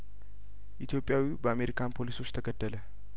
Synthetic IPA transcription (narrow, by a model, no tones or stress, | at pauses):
ʔit̪ʰjo̞pʼːjawibəame̞ɾikʰanpʰo̞liso̞t͡ʃːt̪ʰəɡəd̪ːələ